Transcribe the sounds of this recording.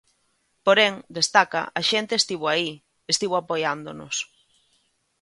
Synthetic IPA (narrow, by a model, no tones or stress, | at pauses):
poɾeŋd̪est̪aka̰ʔaʃent̪eːst̪iβoai | est̪iβ̞oapojand̪ono̰s